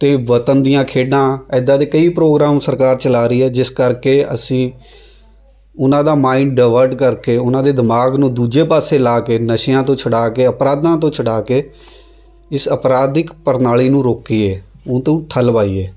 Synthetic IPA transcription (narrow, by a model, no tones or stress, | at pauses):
t̪eːʋət̪ənd̪ijãːkʰeːɖãːɛːd̪ãːt̪eːkəiːpɾoːɡɾaːmsəɾkaːɾt͡ʃəlaːɾəiːɛːd͡ʒɪskəɾkeːəsĩː | ʊnãːd̪aːmaːĩnɖaːʋəɾɖkəɾkeːʊnãːd̪eːd̪ɪmaːɡnũːd̪uːd͡ʒeːpaːseːlaːkeːnəʃɪjãːt̪̬õːt͡ʃʰəɽaːkeːəpɾaːd̪ãːt̪̬õːt͡ʃʰəɽaːkeː | ɪsəpɾaːd̪ɪkpəɾnaːliːnũːɾoːkiːeː | ʊ̃ːt̪õːʈʰəlpaːiːeː